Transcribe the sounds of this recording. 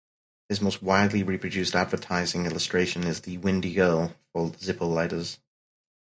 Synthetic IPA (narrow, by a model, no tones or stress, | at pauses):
hɨzmoʊst̚waɪdˡliɹipʰɹ̥ɨdʉˑstædvətʰaɪzɪ̃ŋɪlˠəstɹ̥eɪʃɨ̃nɪzðɨwɪ̃ndiɡɜ˞lˠfɔlˠdzɪpəlˠlaɪɾəz̥